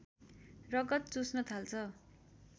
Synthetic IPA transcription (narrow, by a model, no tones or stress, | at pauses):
rʌɡʌt̪̚t͡susnʌt̪ʰalt͡sʰʌ